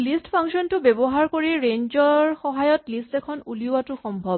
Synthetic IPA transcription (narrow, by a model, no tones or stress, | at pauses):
listpʰaŋsɔntʊbɛbɔɦaɹkoɹiɹeɲd͡ʒɔɹxɔɦajɔtlistɛkʰɔnuliʊwatʊxɔmbʱɔ